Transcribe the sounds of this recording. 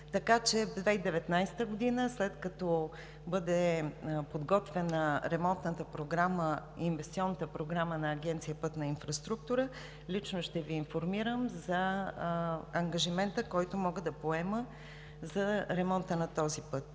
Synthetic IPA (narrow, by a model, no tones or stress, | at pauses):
t̪ɐkat͡ʃɛd̪vɛid̪ɛvɛt̪najsɛ̥t̪əɡod̪inəslɛt̪kɐt̪ɔ | bɤd̪ɛpod̪ɡɔt̪vɛnəɾɛmɔnt̪nət̪əpɾoɡɾaməinvɛst̪siɔnːət̪əpɾoɡɾamənɐːɡɛnt̪sijəpɤt̪nɐinfɾɐst̪ɾuk̚t̪uɾə | lit͡ʃnoʃt̪ɛviːnfoɾmiɾəmzɐ | ŋɡɐʒimɛnt̪əkɔjt̪omɔɡəd̪ɐpoɛmə | zɐɾɛmɔnt̪ənɐt̪ɔzipɤt̪̚